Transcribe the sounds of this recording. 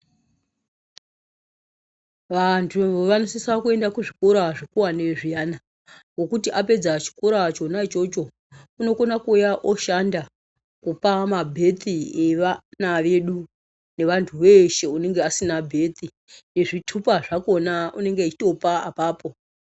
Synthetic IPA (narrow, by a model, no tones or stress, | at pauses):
ʋantʰuʋanosisakue̞ndakuʐikoɾaʐekuwaneʐijaːna | ɡo̞kutiʔape̞d͡zat͡ʃi̥koɾat͡ʃo̞nat͡ʃo̞t͡ʃo̞ | uno̞ko̞nakuːjaʔo̞ʃanda | kupamabʱe̞t̪ʰieʋanaʋeɗu | ne̞ʋantʰuʋe̞ʃe̞une̞ŋɡeasinabʱe̞t̪ʰi | ne̞ʐitʰupaʐakonaʔune̞ŋɡeit͡ʃito̞paapaːpo̞